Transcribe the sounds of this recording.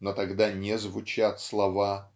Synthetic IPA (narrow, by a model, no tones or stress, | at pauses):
not̪ɐɡd̪anʲɪzvʊt͡ɕat̪slˠɐva